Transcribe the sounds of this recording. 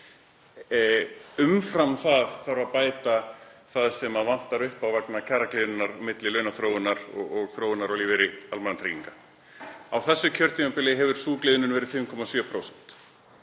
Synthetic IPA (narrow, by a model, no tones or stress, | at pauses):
ʏmfɾamθaðθaɾapaːjt̪aθaðsɛmaðvan̥t̪aɾʏhpawvɛknacʰɛraklɪːðʏnːaɾɔmɪt̪lɪlœːɥnaθɾoːwɪnːaɾɔ̰ɣɔɣθɾoːwɪnaɾawliːvɪɾɪalmanat̪ʰɾiːkiŋka | awθɛsːʏcʰœɾ̥t̪imapɪlɪɦɛvʏɾ̥suːklɪːðʏnʏnvɛːɾɪ̥fɪmkʰɔmasjœːpʰɾowsɛ̥n̥t̪